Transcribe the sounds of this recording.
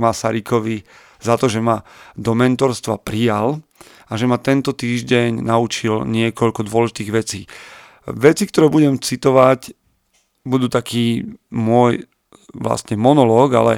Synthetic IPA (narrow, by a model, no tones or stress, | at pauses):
masaɾikɔʋi | zat̪ɔʒɛmad̪ɔmɛnt̪ɔɾst̪ʋa̰pɾijal | aʒɛmat̪ɛnt̪ɔt̪iːʒɟɛɲnaut͡ʃilɲɪɛkɔʎkɔd̪ʊɔlɛʒit̪iːɣʋɛt͡siː | ʋɛt͡sik̚t̪ɔɾɛːbuɟɛmt͡sit̪ɔʋac | bud̪uːt̪akiːmʊɔj | ʋla̰st̪ɲɛmɔnɔlɔːɡa̰lɛ̰